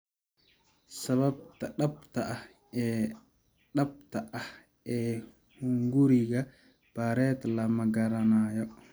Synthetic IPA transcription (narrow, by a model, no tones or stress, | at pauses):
sɐβɐb̚t̪ɐɗɐbt̪ʰɐʔɐh | ɛː | ɗɐb̚t̪ʰɐʔɐh | ɛː | huŋɡuɾiɣɐ | b̥aɾɛt̪lɐmɐɡɐɾɐnaːjɔ